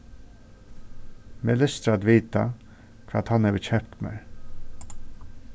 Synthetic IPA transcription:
mɪləst̪ɾɑd̪ʋiːt̪ɑ | kʰʋɑ̰ːt̪hɑnɛbəçɛpt̪mḛːɹ

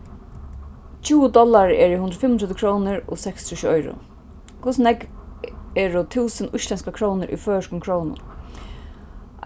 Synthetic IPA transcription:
t͡ʃʰuːəd̪ɔlːaɹɛ̰ɹɪɦʊnd̪ɾəfɪmːnɾɛt̪ːɪkʰɾɔwnɪɹɔ̰sɛkst̪ʰuʃɔjɾʊ̰ | kʰʊsnɛk | ɛɹʊt̪ʰuːsənʊsʃlɛnskakʰɾownɪɾʔḭfœːəʃkʊmkʰɾownʊ̰n

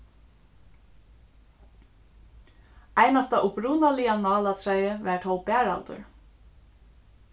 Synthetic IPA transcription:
ajnast̪aʔʊpɾuːnalianɑːlat̪ʰɹɛjəʋɛɹt̪ʰɔwbæːɹa̰lt̪ʊ̰ɹ

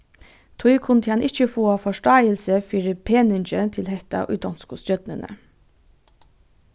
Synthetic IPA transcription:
t̪ʰɔʏkʰʊnd̪əhɑnʔɪt͡ʃəfoːɑfɔʂʈɑɪəlsəfiːɾəpʰeːnɪnt͡ʃət̪ʰɪlhɛht̪a̰ʔʊ̰d̪ɔnskʊsjœd̪nə̰nʔə̰

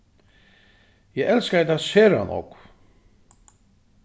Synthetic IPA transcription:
jɛɣɛlskaɛt̪aaðsɛːɾa̰nɔ̰k

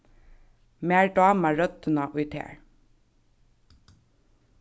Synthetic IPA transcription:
meːɹɖɑːməɹœt̪ənɑʔʉʏt̪hḛːɹ

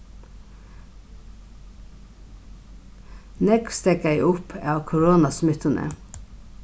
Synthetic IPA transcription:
nɛkst̪ekæɪʔʊpʰɑːʋkʰʊɹoːnɑsmʏt̪ənʔə̰

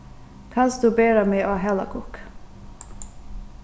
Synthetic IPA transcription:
kʰɑnsd̪ʉːbeːɾəmeːʔoːɦɛlə̰kʰʊk

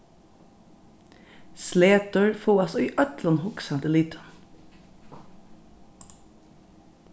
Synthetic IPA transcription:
sleːt̪əɹfoːɑsɔiːʔœt̪lənhʊksɑd̪əlit̪ʰə

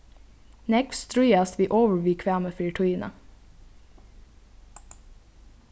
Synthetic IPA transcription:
nɛkfst̪ɾʉʏɑst̪ʋiːʔoːʋəɹʋɪkʰʋæːməfʏːʈʰʊiːnə̰

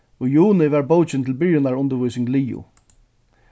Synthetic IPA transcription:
ɔjuːnɪʋaɹbowt͡ʃɪnt̪ʰɪlbɪɹjɪnaɹʊnt̪ɪɹvujsɪŋɡliːʊ̰

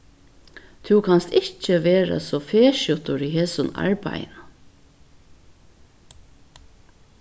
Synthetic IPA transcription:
t̪ʰʉːkʰɑnst̪ɪt͡ʃəʋeːɹə̰soːfeːʃjʊt̪ʊɹiːheːsʊnɑ̰ɹbæ̰ɪnə

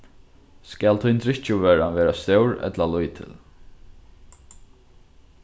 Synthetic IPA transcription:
skælt̪ʰʊnt̪ɾɪt͡ʃʊʋɛːɾaʋeːɾast̪œwɹɛ̰t̪lalujt̪ʰɪ̰l

